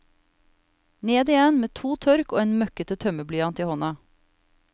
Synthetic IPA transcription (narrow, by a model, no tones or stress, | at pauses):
neːd̪iːeːnmeːt̪ʰuːt̪ʰœɾkoːeːnmœkət̪ət̪ʰœməblyːɑnt̪iːhɔnɑ